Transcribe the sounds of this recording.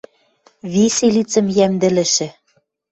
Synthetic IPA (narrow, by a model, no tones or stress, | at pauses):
βiselit͡sɘ̆mjæmd̪ɘ̆lɘ̆ʃɘ̆